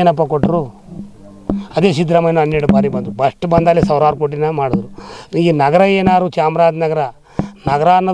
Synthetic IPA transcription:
enɐpːɐkoʈːɾu | ɐd̪eːsid̪ɾɐmɐjnuɐnːɐɽubaːɾibɐnd̪ɾubɐʂʈbɐnd̪aːlːisɐʋɾaːɾukoːʈ̬inɐmaːɽud̪ɾuɾiːɡenɐɡɐɾɐeːnaːɾut͡ʃaːmɾaːd͡ʒ̪nɐɡɐɾɐ | nɐɡɐɾaːnːɐ

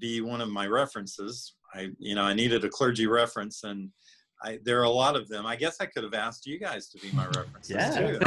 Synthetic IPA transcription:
biwʌ̃ñʌvmaɪɹɛfɹɨ̃nsɪz | aɪjɨñoʊaɪniɾɨɾɨkʰl̥ɜ˞d͡ʒiɹɛfɹɨ̃nsɨ̃n | ʔa̰ɪðə˞əlɔɾʌvðɨ̃maɪɡɛsaɪkʰʊɾɨvæstjɨɡaɪz̥tʰəbimaɪɹɛfɹɨ̃nsz̥tʰʉ

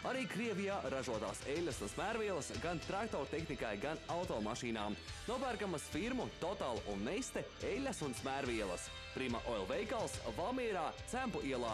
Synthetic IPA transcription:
aɾiːkɾiɛvijaːɾaʒuɔt̪a̰ːsɛlʲːɐsunsmæɾvʲiɛlˠɐsɡant̪ɾakt̪ɔɾt̪ɛxnikajɡanawt̪ɔːmaʃiːnaːmnuɔpæːɾkamɐsfiɾmut̪ɔt̪aːlˠʔunːɛst̪e | elʲːɐsunsmæːɾviɛlˠɐ̰s | pɾimaʔɔɛlˠvɛjkalˠsvamiɛɾaːt̪sæmpuʔiɛlˠaː

